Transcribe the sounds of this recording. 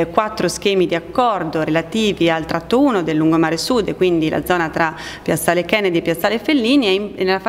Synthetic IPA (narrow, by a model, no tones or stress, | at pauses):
kwat̪ːɾosk̟eːmid̪iakːɔrd̪oɾelat̪iːvialt̪ɾat̪ːouːnod̪elːuŋɡomaːɾesud̪ːkwind̪ilʔa̰d̪zɔːnat̪ɾa | pjasːaːlekɛnad̪iepːjasːaːlefːelːiːniɛɛnːelaf